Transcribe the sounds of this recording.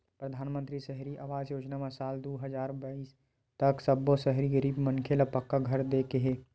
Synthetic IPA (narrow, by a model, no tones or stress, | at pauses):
pɾɐd̪ʱaːnmə̃nt̪ɾiʃɛɦɾiʔaːʋaːd͡ʒjoːd͡ʒnamasaːld̪oːɦəzaːɾbaiːs | t̪ɐksɐbːosɛɦɾiɡəɾiːbmənkʰelapɐkːaɡʱɐɾd̪eːkeɦeː